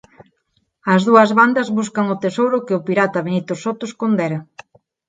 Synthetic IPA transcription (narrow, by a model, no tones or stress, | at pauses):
ɐzðuɐzβand̪ɐzβuskɐŋʊt̪esowɾʊkɪʊpiɾat̪ɐβ̞enit̪osot̪oskond̪eɾɐ